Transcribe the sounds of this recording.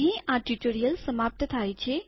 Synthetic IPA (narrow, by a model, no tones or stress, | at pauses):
ɦĩʔaːɖiʈoːɾijəlsəmaːp̚t̪ət̪ʰaːjt͡ʃʰe